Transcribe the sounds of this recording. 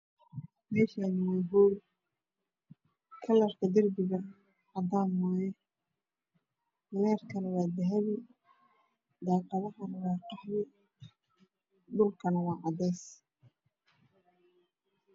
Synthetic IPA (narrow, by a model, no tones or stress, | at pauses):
mɛːʃanɪwɛːɦɔːw | kʰɐlɐrkʰɐd̪ɪrbɪɣɐ | ʕɑd̪aːnmɔːjɛ | lɛːrkʰɐnɐwaːd̪ɐɦɐβɪ | d̪aːqɑðɐɦɐnɐwɑːqɑħβɪ | d̪ʊlkʰɐnɐwɑːʕɑd̪ɛːs